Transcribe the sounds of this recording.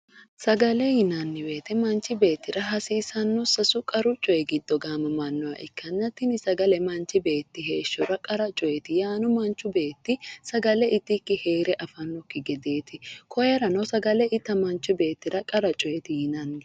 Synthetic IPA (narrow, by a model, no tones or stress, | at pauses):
sɐɡɐlɛhɪnɐnːɪbe̞ːt̪ɛmɐnt͡ʃːɪbe̞ːt̪ːɪɾɐɦɐsiːsɐnːɔsɐsʊkʼɐɾʊt͡ʃʼɔjɛɡɪd̪ːɔɡaːmɐmɐnːɔwɐ̰ʔɪkːɐnːɐt̪ːɪnɪsɐɡɐlɛmɐnt͡ʃːɪbe̞ːt̪ːɪɦe̞ːʃːʊɾɐkʼɐɾɐt͡ʃʼɔjɛt̪ɪjaːnʊmɐnt͡ʃːʊbe̞ːt̪ːɪsɐɡɐlɛɪt̪ːɪkːɪhe̞ːɾɛʔɐfɐnːɔkːɪɡɛd̪e̞ːt̪ɪkʰɔjɐɾɐnɐsɐɡɐlɛʔɪt̪ːɐmɐnt͡ʃːʊbe̞ːt̪ːɪɾɐkʼɐɾɐt͡ʃʼɔjɛt̪ɪhɪnɐnːɪ